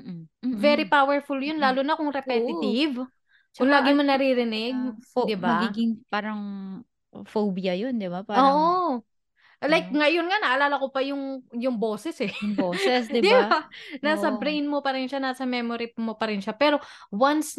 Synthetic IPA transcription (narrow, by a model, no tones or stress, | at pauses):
vɛɾipawɛɹfʊljonlaːlʊnɐkʊŋɾɛpɛɪt̪ɪv | ʊŋlaːɡɪmonɐɾiɾɪnɪɡ̚d̪ɪbbamɐɡiːɡɪŋpaːɾɐŋ | fowbjɐjond̪ɪbapaːoːʔo | lajk̚ŋɐjonŋɐnɐʔɐlaːlɐkopɐjʊŋjʊŋboːsɛsɛjʊŋboːsɛsd̪ɪd̪banaːsɐbbɾejnmopɐɾɪnʃanaːsɐmɛmoɾimopɐɾɪnʃapɛːɾo̞wans